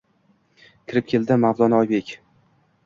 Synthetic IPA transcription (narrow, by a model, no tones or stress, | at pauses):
kʲʰɪɾɪp̚kʲʰe̞ld̪ɪmawzˠɒnɒjbe̞kʲ